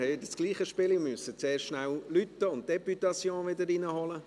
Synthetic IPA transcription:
hɛdəsɡ̥liːχəʃpɪlɪmyəsət͡seːɾʃnællyt̪əʊnt̚d̥ɛpytɑsjõːnvɪdəɾinəhɔlə

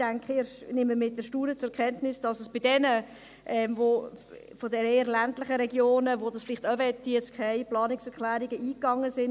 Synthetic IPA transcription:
d̥æŋkχeːʃnɪmːəmɪt̚d̥ɛɾʃtuːɾət͡sʊɛkχɛntnɪsd̥ɑsəsb̥ɪdɛnə | ʔɛːmvo | fodɛneːəɾlæntlɪχəɾɛɡjoːnəʋodɑsfɪlɪχtœvɛtːiɛt͡skʰɛɪplɑːnɪksɛɾkʰlæːɾiɡəiːkːɑŋːəsɪn

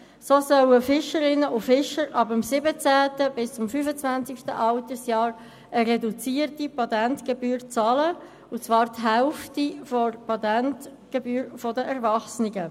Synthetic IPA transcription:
soːsœwəfɪʃəɾɪnːəʔʊfɪʃəɾʔɑbəmsɪbət͡sæːtəbɪst͡sʊmfyːfət͡svænt͡sɪkʃtə̰ʔɑʊtəsjɑːɾ | əɾɛdut͡siːrtipɑt̪ɛntɡ̥ebyːɾt͡sɑːlə | ʊt͡sʋɑːɾtɦɛʊftifɔrpɑt̪ɛnt | ɡ̥ebyːɾfɔdəʔɛɾvɑχsnɪɡə

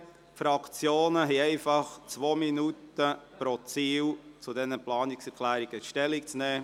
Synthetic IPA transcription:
fɾɑkt͡sjoːnəɦɛɛɪfɑχt͡sʋoːminutəpɾɔt͡siːwt͡sudɛnəplɑːniksɛɾkʰlæːɾiɡ̥əʃtɛlikt͡snɛː

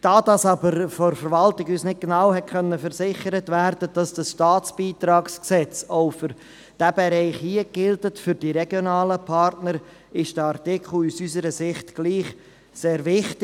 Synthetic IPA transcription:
d̥ɑːdɑsɑbəɾfɔɾfəɾvɑltɪɡysnɪt̚ɡenɑwhɛt̚kʰχœnːəfəɾsɪχəɾətvæːɾdəd̥ɑsd̥ɑsʃtɑːt͡sb̥iːt̪ɾɑːksksɛt͡soʊfʏɾ | d̥æbeɾɛɪχhiəɡ̥ɪldətfʏɾd̥iɾɛɡ̥jonɑːləpʰɑɾtnəɾ | ɪʃd̥əɑɾtɪkχl̩usysəɾəsɪχtɡ̥liːχ | seːɾvɪχtɪ

